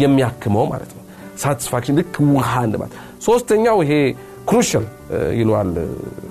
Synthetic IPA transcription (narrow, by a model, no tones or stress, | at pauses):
jɛmːijakːɨməwma̰lə̰t̪nəw | sat̪ʰi̥sfakʃɨndɨkʰːmɨhand̪əma̰t̪ | so̞st̪ʰəɲːawɪɦe̞ | kɾuʃal | jɪlal